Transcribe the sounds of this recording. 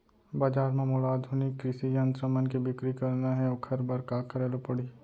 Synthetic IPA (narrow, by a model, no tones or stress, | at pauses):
baːd͡ʒaːɾmẽmoːlaːd̪ʱʊnɪkːɾɪsijə̃nt̪ɾəmənkebɪkɾikɐɾnaɦɛokʰɐɾbɐɾkaːkɐɾeːlopɐɽi